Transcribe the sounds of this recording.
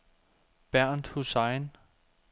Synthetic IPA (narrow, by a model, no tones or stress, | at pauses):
b̥æɐ̰nd̥husɑɪn